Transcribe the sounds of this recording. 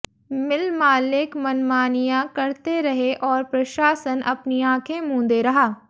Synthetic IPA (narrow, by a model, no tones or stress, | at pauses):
mɪlmaːlɪkmɐnmaːnijãkɐɾt̪eɾɐɦeʔɔːɾpɾɐʃaːsənɐ̰pniãːkʰẽmũːnd̪eɾɐɦaː